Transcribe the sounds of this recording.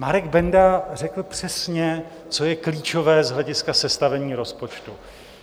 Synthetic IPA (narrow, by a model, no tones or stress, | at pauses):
maɾɛɡbɛndarɛkl̩pr̝̥ɛsɲɛ | t͡so̞jɛkliːt͡ʃo̞vɛːzɦlɛɟɪskasɛst̪avɛɲiːɾo̞spo̞t͡ʃt̪u